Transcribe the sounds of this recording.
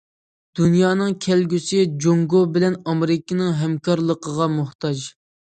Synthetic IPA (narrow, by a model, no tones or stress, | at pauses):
d̪̥unjɑːnɨŋkʲʰɛlɡʲysɪd͡ʒoŋɡobɪlɛnɑmɪɾɪkʲinɨŋɦɛmkʰɑɾlˠəqʰəʁɑmʊht̪ʰɑd͡ʒ